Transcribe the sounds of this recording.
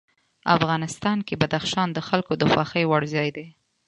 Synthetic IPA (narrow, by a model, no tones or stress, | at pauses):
a̰fɣɑnɪst̪ɑnkebad̪axʃɑnd̪əxalkod̪əxwɑxəjwaɽzɑjd̪e